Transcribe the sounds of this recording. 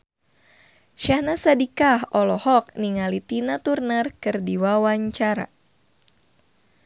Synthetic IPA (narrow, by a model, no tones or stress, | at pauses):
ʃahnasadikahɔlɔhɔk̚niŋalit̪inat̪urnərkɨrdiwawaɲt͡ʃaɾa̰